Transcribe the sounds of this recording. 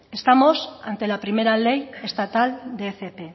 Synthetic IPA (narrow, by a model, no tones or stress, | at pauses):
est̪amo̞sa̰nt̪e̞lapɾime̞ɾale̞je̞st̪at̪ald̪efepe